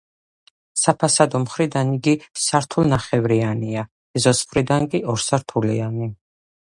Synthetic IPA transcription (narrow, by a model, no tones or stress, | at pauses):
sapʰasad̪ɔmχɾid̪aniɡisaɾt̪ʰulˠnaχɛvɾiania | ɛzɔsχɾid̪aŋkʼiɔɾsaɾt̪ʰuliani